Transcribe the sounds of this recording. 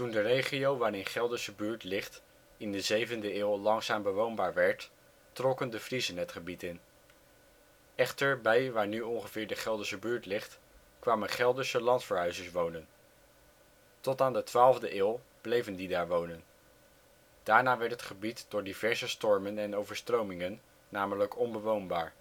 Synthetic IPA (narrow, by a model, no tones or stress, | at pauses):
tundərejχijowʋaːɾɪnχɛlˠdəsəbyːɹtlɪχt | ɪndəzejvəndəɪːlˠlɑŋsaːmbəʋownbaːɹʋɛɹtː | rɔkəndəvrizənɦətχəbitɪn | ɛχtəɹbɛjʋaːɹnyɔŋχəvɪːɹdəχɛlˠdəsəbyːɹtlɪχt | kʋaːmənχɛlˠdəsəlɑntfəɹɦœɥzəɹsʋownən | tɔtaːndətʋaːlˠvdəʔɪːlˠb̥lejvəndidaːɹʋownən | d̥aːɹnaːʋɛɹtɦətχəbitd̥ʊːɹdivɛɹzəstɔɹmənɛnowvəɹstrowmɪŋənː | aːmələkɔnbəʋownbaːɹ